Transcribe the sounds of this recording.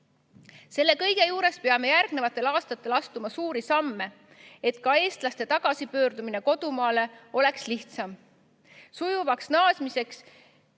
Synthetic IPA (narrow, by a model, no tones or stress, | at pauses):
se̞lːe̞kɤ̞jɡ̥e̞juːɾe̞spe̞ɑme̞jærɡ̥ne̞vɑt̪ːˑe̞lɑːst̪ɑt̪ːˑe̞lɑst̪umɑsuːɾisɑmːe̞ | e̞t̪ˑkɑe̞ːst̪lɑst̪e̞t̪ɑɡ̥ɑsipø̞ːrd̪umine̞ko̞d̪̥umɑːle̞o̞le̞ksliht̪sɑm | sujuvɑksnɑːsmise̞ks